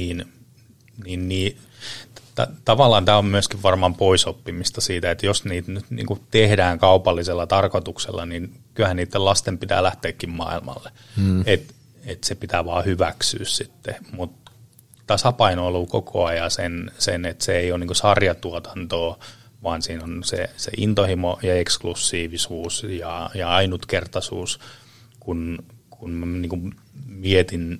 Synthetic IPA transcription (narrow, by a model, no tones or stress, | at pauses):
niːn | niːnniː | t̪ɑ̰t̪ɑʋɑlːɑːnt̪æːommyøskiʋʋɑrmɑmpoisopːimist̪ɑsiːt̪æet̪josniːt̪nyt̪nḭːŋkut̪ehdæːŋkɑupɑlːiselːɑt̪ɑrkot̪uksḛlːɑ̰ninkylhæniːt̪ːelɑst̪empit̪æ̰ːlæht̪eːkːimmɑ̰ilmɑ̰lːe | et̪ | et̪sepit̪æʋɑ̰ːhyʋæksy̰ːssit̪ːemut̪ | t̪ɑsɑpɑinoolukokʰo̰ɑjɑsensenet̪seeioniŋkosɑrjɑt̪uot̪ɑ̥nt̪oː | ʋɑːnsiːnonsḛsḛʔint̪ohimojɑeksklusːiːʋisuːsjɑjɑɑinut̪kert̪ɑsṵːs | kunkʰunmæniːŋkum | miet̪in